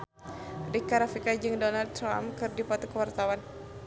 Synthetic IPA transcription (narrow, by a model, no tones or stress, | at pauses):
rikaɾafikad͡ʒɨŋdɔnald̪̚ɾa̰mkɨrdipɔt̪ukəwart̪awan